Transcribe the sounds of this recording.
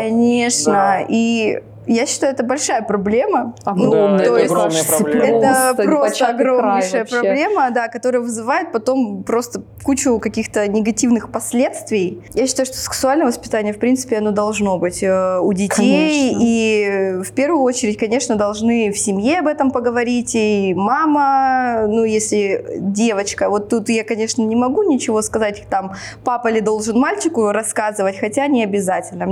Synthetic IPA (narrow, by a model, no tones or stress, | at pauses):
kɐnʲe̞ʂnəi | jaɕːɪ̥t̪ajʊɛt̪əbɐlʲʂajəpɾɐblʲe̞mənut̪ojɪstɛt̪əpɾost̪əɐɡɾomʲɪʂɨjəpɾɐblʲe̞məd̪akɐt̪o̞ɾəjəvɨzɨvajɪt̪̚pɐt̪o̞mpɾo̞st̪ə | kut͡ɕʊkɐkʲixt̪ənʲɪɡɐtʲivnɨxpɐsʲlʲe̞t̪st̪vʲɪj | jaɕːɪ̥t̪ajʊʂt̪osʲɪ̥ksʊalʲnəjəvəspʲɪ̥t̪anʲɪjəfpɾʲint̪sɨ̥pʲɪɐno̞d̪ɐlˠʐno̞bɨtʲəʊdʲɪtʲeji | fpʲe̞rvʊjʊo̞t͡ɕɪɾʲɪtʲkɐnʲe̞ʂnəd̪ɐlˠʐnɨfsʲɪmʲjeɐbɛt̪əmpəɡəvɐɾʲitʲimamənujesʲlʲɪdʲe̞vət͡ɕkəvo̞t̪ːut̪jakɐnʲe̞ʂnənʲɪmɐɡunʲɪt͡ɕɪvo̞skɐzatʲt̪ampapəɪlʲɪd̪o̞lˠʐɨnmalʲt͡ɕɪkʊɾɐskazɨvətʲxɐtʲanʲɪɐbʲɪzatʲɪlʲnə